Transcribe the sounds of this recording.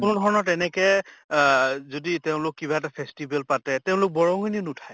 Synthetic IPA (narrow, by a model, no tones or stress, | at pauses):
kʊnɔdʱɔɹɔnɔtɛnɛkɛ | zoditeʊ̃lʊkːibaɛtapʰestibʱɛlpatɛteʊ̃lʊk̚bɔɹɔ̃ɡininutʰaj